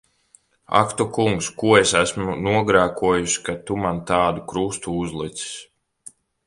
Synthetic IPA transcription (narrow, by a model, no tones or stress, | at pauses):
a̰kt̪ukuŋkskuɔesæsmunuɔɡɾaːkuɔjuʃi̥kat̪umant̪aːd̪ukɾust̪uuzlˠit̪si̥s